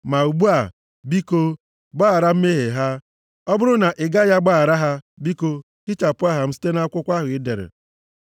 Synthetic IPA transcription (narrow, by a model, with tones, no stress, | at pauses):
ma˨u˨ɡ͡bu˦a˨ | bi˦ko˦ | ɡ͡baː˦˨ɾa˦m̩˦me˦ɦe˨ɦa˦ | ɔ˦bʊ˦ɾʊ˦na˨ʔɪ˨ɡa˦ja˦ɡ͡ba˦a˨ɾa˦ɦa˦bi˦ko˦ | kɪ˦t͡ʃa˨pʊ˦a˦ɦa˨m̩˦si̥˦te˦na˦a˦kʷʊ˦kʷa˦ɦʊ˨ɪ˦de˨ɾɪ̰˨